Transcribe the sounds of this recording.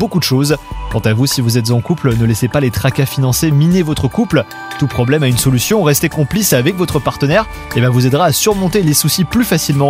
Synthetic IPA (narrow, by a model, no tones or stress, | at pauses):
bokud̪əʃozkɑ̃t̪avusivuzɛt̪zɑ̃kuplnəlɛsepalet̪χakafinɑ̃seminevɔt̪χəkupl | t̪upχɔblɛmaynsɔlysjɔ̃ʁɛst̪ekɔ̃plisavɛkvɔt̪χəpaʁt̪ənɛʁ | ebãvuzɛd̪ʁaːsyʁmɔ̃t̪elesusiplyfasilmɑ̃